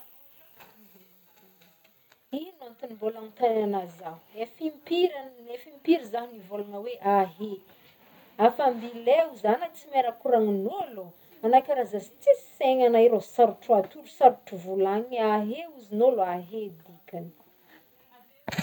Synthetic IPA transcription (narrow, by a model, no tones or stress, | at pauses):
inant̪unimbolanit̪ananazaefimpiɾanefimpiɾizaɦinivolanəweʔaɦe | afambileuzanat͡simeɾakuɾaŋinolu | anakʲaɾazazi̥t͡seseŋanaiɾosaɾuʈ͡ʂuat̪ulusaɾuʈ͡ʂuvulaŋaɦeuzinoloaɦed̪ikʲani̥